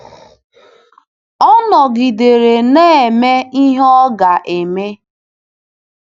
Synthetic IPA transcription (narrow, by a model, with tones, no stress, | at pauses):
ɔ˦nɔ˨ɡi˨de˨ɾe˨ne˦e˨me˦i˦ɦɔ˦ɡa˨ʔe˨me˦